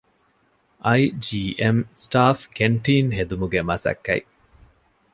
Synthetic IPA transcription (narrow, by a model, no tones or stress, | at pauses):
ʔɐjd͡ʒiːʔemsʈaːfkeɳʈiːnɦed̪umuɡemɐsɐ̰kːɐi